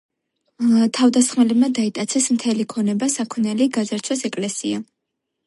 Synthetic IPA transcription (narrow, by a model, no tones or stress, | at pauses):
t̪ʰavd̪asχmɛlɛbmad̪ait̪ʼat̪sʰɛsmt̪ʰɛlikʰɔnɛbasakʰmnɛliɡazaɾt̪sʰwasɛkʼlɛsia